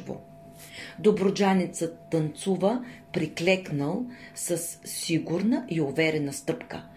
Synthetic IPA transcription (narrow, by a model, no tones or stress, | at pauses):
vo̰ | d̪obɾod͡ʒanɛt̪sət̪ːənt̪suvəpɾiklɛknəlˠ | səsːiɡuɾnəʔiovɛɾɛnəst̪ɤpkə̰